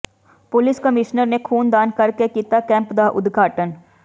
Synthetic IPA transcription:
pʊlɪskəmɪʃnəɾnekʰuːnd̪aːnkɐɾkekit̪akɛ̃ːmpd̪aʔʊ̰d̪ɡʱaːʈən

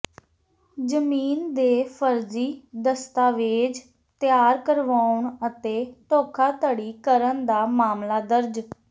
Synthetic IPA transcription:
d͡ʒəmiːnd̪eːpʰəɾziːd̪əst̪aːʋeːd͡ʒ | t̪ɪjaːɾkəɾʋaːʊɳət̪eːʈoːkʰaːt̪əɽiːkəɾənd̪aːmaːmlaːd̪əɾd͡ʒ

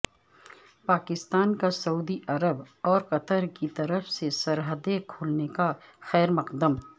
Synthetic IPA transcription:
paːkɪst̪aːnkasɐuːd̪iʔɐɾəbɔːɾqɐt̪əɾkit̪ɐɾəfsesɐɾɦəd̪ekʰoːlnekaxɛːɾmɐqd̪əm

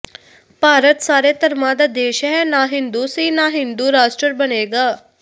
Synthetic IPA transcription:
paːɾət̪saːɾeːt̪əɾmãːd̪aːd̪eːʃɦɛnaːɦɪ̃nd̪uːsiːnaːɦɪ̃nd̪uːɾaːʃʈɾəɾbəneːɡaː

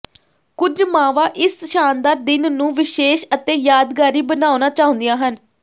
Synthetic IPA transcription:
kʊd͡ʒmaːʋaːʔɪsʃaːnd̪aːɾd̪ɪnnũːʋɪʃeːʃət̪ẽːjaːd̪ɡaːɾiːbənaːonaːt͡ʃaːɦʊ̃ːnd̪ijãːɦən

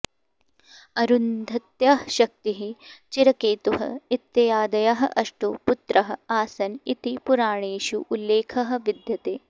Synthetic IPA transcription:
ɐɾund̪ʱɐt̪jaːɦʃɐk̚t̪iɦit͡ʃiɾɐkeːt̪uɦɐ̰it̪jɐjaːd̪ɐjɐɦɐ̆ʔɐʂʈuput̪ɾɐɦɐ̆aːsɐnit̪ipuɾaːɳeːʃuʔːlːeːkʰɐɦɐ̆ʋid̪jɐt̪eː

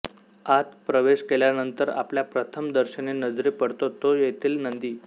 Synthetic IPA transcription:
at̪pɾəʋeɕkeljanənt̪əɾa̰pljapɾət̪ʰəmd̪əɾɕənenəd͡zɾiːpəɽt̪ot̪ojet̪ʰiːlnənd̪iː

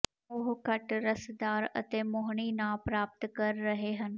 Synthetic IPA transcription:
ʊɦkəʈɾəsd̪aːɾə̰t̪eːmʊɦɳ̃iːnãːpɾaːp̚t̪kəɾːəɦeːɦən

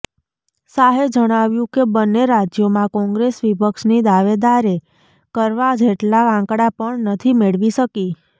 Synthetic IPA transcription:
saɦed͡ʒəɽ̃aʋjũkebənːeɾad͡ʒjomãkɔ̃ŋɡɾesʋipəkʃnid̪aʋed̪aɾe | kəɾʋad͡ʒeʈlaãkɽapəɳnət̪ʰimeɭʋiʃəki

